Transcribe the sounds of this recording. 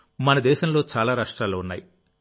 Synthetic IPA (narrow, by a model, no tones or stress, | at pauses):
mɐnɐd̪ɛːʃɐmlo̞ːt͡ʃaːlaːɾaːʂʈɾaːloːunːaːji